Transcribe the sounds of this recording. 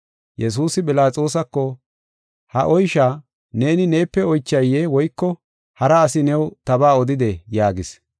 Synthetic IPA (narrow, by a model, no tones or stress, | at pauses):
jɛs̬uːsɪbɪlaːt͡sʼo̞ːs̬ɐkːɔ | hɐ̰ʔɔjʃa | ne̞ːnɪne̞ːpːɛɔjt͡ʃːɐjːeːwɔjkːɔ | hɐɾɐːsɪnɛwt̪ɐbaːɔd̪ɪd̪ɛjaːɡɪs